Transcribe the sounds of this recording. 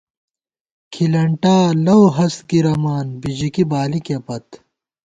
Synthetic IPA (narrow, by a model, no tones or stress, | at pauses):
kʰilɐɳʈaːlɐwɦɐskiɾɐmaːnbid͡ʑikibaːlikepɐt̪